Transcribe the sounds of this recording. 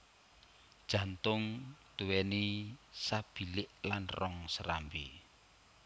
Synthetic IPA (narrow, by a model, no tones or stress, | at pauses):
d̥ʒ̥ä̤nt̪ʊŋt̪uwɛnisab̥i̤lɪʔlanrɔŋsəɾambi